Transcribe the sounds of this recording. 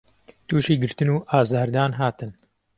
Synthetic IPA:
t̪uːʃiːɡɨɾt̪ɨnuːʔaːzaːɾd̪aːnɦaːt̪ɨn

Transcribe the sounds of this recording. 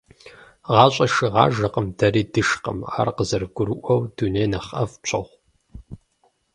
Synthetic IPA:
ʁɑːɕʼɐʃɨʁɑ̰ːʒɐqəmdʰɐɾiːdɨʃqə̰ma̰ːrqəzɐrɡʷʊɾɨʔʷɐwduneːnɐχɐft͡ʃʰʼɐʁʷ

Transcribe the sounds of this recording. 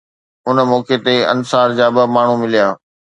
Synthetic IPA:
ʊnəmoːket̪eɐ̰nsaːɾd͡ʑaːbɪmaːɳ̤ũmɪlijaː

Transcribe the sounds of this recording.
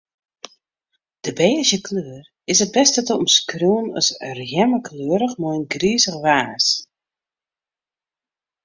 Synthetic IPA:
d̥əbɛːəzjəkʰløːər | ɪsət̚bɛstətəɔmskruənœ̰srjɛməkʰløːəɾəxmɔjnɡriəzəxʋaːs

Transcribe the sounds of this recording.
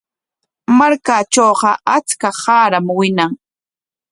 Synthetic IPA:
maɾkat͡ʃoːɢɑʔat͡skahaːɾamwɪnaŋ

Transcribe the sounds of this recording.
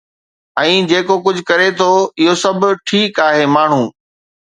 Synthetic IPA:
ɛ̃ːd͡ʑeːkokʊd͡ʑʱʊ̆kɐɾet̪ʰoɪɦosɐbʱʈʰiːkaːɦeːmaːɳ̤ũː

